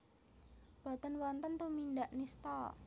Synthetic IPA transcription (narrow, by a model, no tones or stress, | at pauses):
b̥a̤t̪ənwɔnt̪ənt̪umindaʔnist̪ɔ